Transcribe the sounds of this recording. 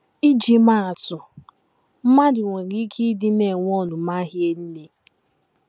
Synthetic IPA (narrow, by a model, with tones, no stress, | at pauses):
i˦d͡ʒi˨ma˦a˨tʊ˨ | m̩˦ma˦dɪ˨ŋʷe˨ɡɪ˦kʰi˦dɪ˦ne˨ŋʷ˦ɔ˦˨nʊ˨ma˦ɦje˦n̩˦ne˦